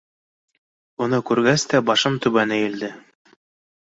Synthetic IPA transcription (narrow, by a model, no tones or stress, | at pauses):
unɤkʉɾɡæst̪æbɑʃɤmt̪ʉβænɘjɘ̆ld̪ɘ